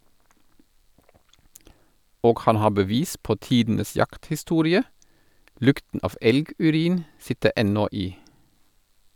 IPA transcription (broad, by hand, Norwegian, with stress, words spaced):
ˈoːɡ ˈhɑn ˈhɑː bəˈʋiːs ˈpoː ˈtiːdn̩əs ˈjɑkthɪˌstuːɾɪə ˈlʉktn̩ ˈɑːf ˈɛlɡʉˌɾiːn ˈsɪtə ˈɛnɔ ˈiː